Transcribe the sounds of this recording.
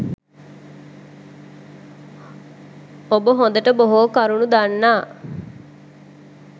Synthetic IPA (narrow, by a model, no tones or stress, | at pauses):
obəɦõnd̪əʈəboɦoːkɐɾunud̪anːaː